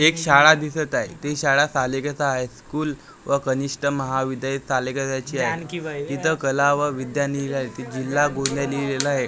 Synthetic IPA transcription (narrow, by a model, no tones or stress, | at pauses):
ekɕaɭad̪isət̪aɦet̪eɕaɭasalekət͡saɦajskuːl | ʋəkəniʂʈəməɦaʋid̪ajisalekəsat͡ɕiːaɦekiʋkit̪əkəlaʋəʋid̪janilaɦet̪id͡ʑilːaɡond̪jaliɾelaɦe